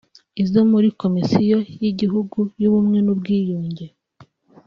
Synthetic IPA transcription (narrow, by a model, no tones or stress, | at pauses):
izomuɾiko̞misijojiɟiɦuɡujuβumŋe̞nubɡiːjoːɲɟe̞